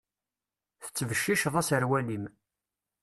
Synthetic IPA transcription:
θə̥t͡sːvəʃːiʃðˤæsəɾwælim

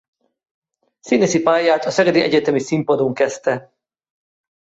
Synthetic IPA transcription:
sineːsipaːjaːt̪ɒsɛɡɛd̪iʔɛɟɛt̪ɛmisimpod̪oŋkɛst̪ɛ

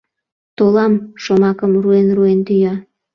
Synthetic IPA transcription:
t̪olɑmʃomɑkəmruenruent̪yjɑ

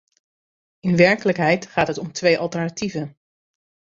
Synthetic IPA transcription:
ɪnʋɛɹkələkɦɛjtχaːtɦətɔmtʋejʔɑlˠtɛɹnativən

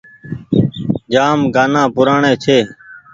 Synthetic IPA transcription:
d͡ʒaːmɡaːnãːpʊɾaːɳẽːt͡ʃʰeː

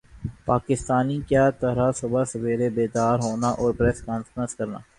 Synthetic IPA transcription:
paːkɪst̪aːnikjaːt̪ɐɾasɐbasɐʋeːɾebeːd̪aːɾɦoːnaʔɔːɾpɾɛːskaːnfəɾə̃nskɐɾna̰ː

